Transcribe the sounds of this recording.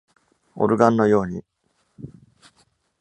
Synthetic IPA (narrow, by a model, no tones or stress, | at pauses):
o̰ɾɯ̟ɡãnːo̞jo̞ːɲ̟i